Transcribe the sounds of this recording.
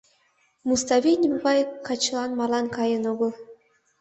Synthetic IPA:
must̪ɑβʲinʲvɑjkɑt͡ɕlˠɑnmɑlˠɑnkɑjənoɣɤ̆lˠ

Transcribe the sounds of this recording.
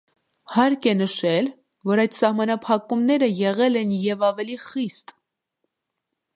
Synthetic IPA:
hɑɾkɛnəʃɛl | vɔɾɑjd̪sɑhmɑnɑpʰɑkumnɛɾəjɛʁɛlɛnjɛvɑvɛliχist̪

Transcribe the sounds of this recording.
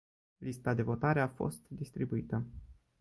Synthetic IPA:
list̪ad̪e̞vo̞t̪aɾe̞afo̞̰st̪d̪ist̪ɾibuit̪ə

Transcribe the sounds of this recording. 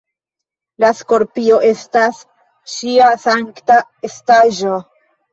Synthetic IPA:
lasko̞ɾpio̞ʔe̞stas | ʃiasaŋktaestaʒo

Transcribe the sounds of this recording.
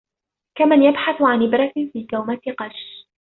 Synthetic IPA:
kamanjabħaθʊʕanʔɪbɾˤɑt̪ɪfiːk̪awmat̪ɪqɑʃ

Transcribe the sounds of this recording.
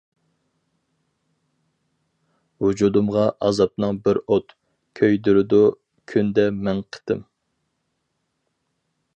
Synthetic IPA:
wud͡ʒud̪umʁɑʔɑzɑp̚nɨŋbɪɾot̪ | kʲʰøjd̪yɾɪd̪u | kʲʰynd̪ɛmɛnqʰə̥t̪ɪ̰m

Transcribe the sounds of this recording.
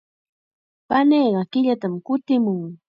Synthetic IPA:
paneːɢɑkɪʎat̪amkʊt̪ɪmʊŋ

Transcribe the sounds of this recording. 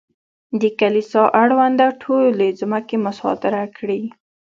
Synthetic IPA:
d̪əkalisɑʔaɽwand̪aʈʰolled͡zumakemʊsɑ̰t̪ɪɾakɽi

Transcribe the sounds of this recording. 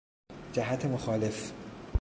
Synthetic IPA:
d͡ʒæɦæt̪ʰemoxɒːle̞f

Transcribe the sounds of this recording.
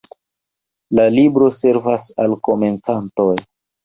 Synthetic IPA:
lalibɾo̞se̞ɾvasalko̞me̞nt͡santo̞j

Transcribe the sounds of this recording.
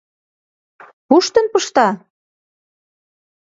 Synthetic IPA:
puʃt̪ə̆npɤʃt̪ɑ

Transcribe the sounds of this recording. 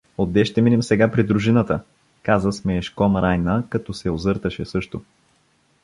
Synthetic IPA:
od̪ːɛʃt̪ɛminɛmsɛɡapɾid̪ɾuʒinət̪ə | kazəsmɛːʃkɔmɾʔajnəkɐt̪ɔsɛozɤɾt̪əʃɛsɤʃt̪o

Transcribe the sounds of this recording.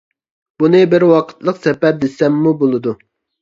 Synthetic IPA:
b̥unɨbɪɾwɑqʰə̥t̪lˠəqsɛpɛɾd̪esɛmːubolˠɨd̪u

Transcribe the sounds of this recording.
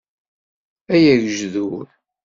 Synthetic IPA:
æjæʝʒðuɾ

